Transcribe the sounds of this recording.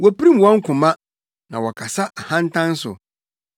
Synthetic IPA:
wɔ˦pi˦ɾĩ˦m˨wɔ˦ŋ̩˦kʰʊ̃˨mã˦ | nã˨wɔ˨kʰa˨sa˦ʔa˨hã˦n̩˦tʰã˦n˦sʊ̰˨

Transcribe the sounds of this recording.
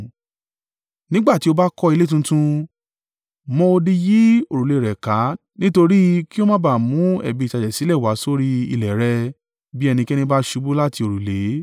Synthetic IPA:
nĩ˦ɡ͡ba˦˨ti˨˦o˧ba˦kɔ˦i˧le˦tũ˧tũ˧ | mɔ̃˦o˧di˧ji˦o˧˨ɾu˨le˨ɾɛ˨ka˨˦ | nĩ˦to˧ɾi˦ki˦o˦mã˦ba˦˨mũ˨˦ɛ̰˨bi˧˨ta˧d͡ʒɛ˨si˨˦lɛ˦˨wa˨˦so˦ɾi˦ḭ˧˨lɛ˨ɾɛ˧ | bi˦ɛ˧nĩ˧kɛ˦nĩ˧ba˦ʃu˨˦bu˦la˦ti˧o˨ɾu˨le˨˦

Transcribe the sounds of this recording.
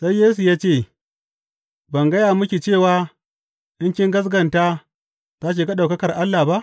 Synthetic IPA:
sa˦jjːeː˦su˨jaː˦t͡ʃeː˦˨ | bɐ˨ŋɡɐ˦ja˨mʊ˦kʲi˨t͡ʃeː˦˨waː˦ | ʔɪ˦ŋkʲɪ˦ŋɡɐ˦s̬ɡɐ˨nta˦ | ta˦k̬eː˨ka˦ɗa˨kɐ˦kɐ˨rʔa˦lːa˨ba˦ʔ

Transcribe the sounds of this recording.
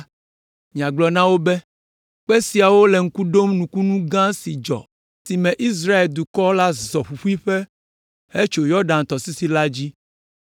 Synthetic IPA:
mĩ˨a˨ɡ͡blɔ˨nã˦wo˦bɛ˦ | k͡pɛ˦si˨a˨wo˦lɛ˨ŋ̩˦ku˦ɖo˦mnũ˨ku˦nũ˦ɡã˦si˨d͡ʒɔ̰˨ | si˨mɛ̃˨ʔi˦s̬ɾa˦e˨ld̪u˨kɔ˦la˦zɔ˨ɸu˨ɸu˦i˦ɸɛ˦ | he˦t͡ʃo˨jɔ˦ɖã˨n̩˨t̪ɔ˨si˦si˦la˦d͡ʑi˦

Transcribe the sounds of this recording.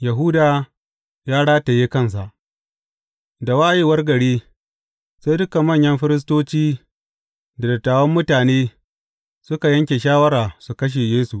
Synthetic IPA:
jɐ˨ɦuː˦daː˨ | jaː˦ɽaː˦ta˨jeː˦kɐ˦˨ns̬a˨ʔ | da˨waː˦ʔje˦wɐ˦rɡɐ˨ɽeː˦ | sa˦jdʊ˦ka˨mːɐ˦˨ɲjɐ˦mɸɪ˦ɾɪ˦s̬toː˦t͡ʃiː˦ | da˨dɐ˨tːaː˨wɐ˦mːʊ˦taː˨neː˦ | sʊ˦ka˨jɐ˦ŋkʲeː˨ʃaː˦wɐ˦ɾaː˨su˨kɐ˦ʃ̬e˨jeː˦su˨ʔ

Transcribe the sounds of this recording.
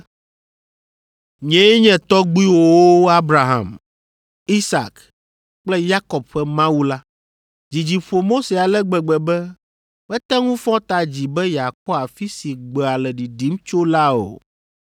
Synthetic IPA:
ɲɛ̃˦ɛ˦ɲɛ̃˨t̪ɔ˦ɡ͡bi˦wo˦˨wo˦a˦bɾa˨ɦa̰˨m | i˦sa̰˨k | k͡plɛ˦ja˦kɔ˨bɸɛ˦mã˦wu˦la˦ | d͡ʑi˨d͡ʑi˨ɸo˨mo˦se˨a˨lɛ˦ɡ͡bɛ˨ɡ͡bɛ˨bɛ˦ | wɛ˦t̪ɛ˦ŋũ˦fɔ̃˦t̪a˨d͡ʑi˨bɛ˦ja˨kɔ˦a˨fi˦si˨ɡ͡bɛ˨a˨lɛ˨ɖi˨ɖi˨˦mt͡ʃo˦la˦o̰˨

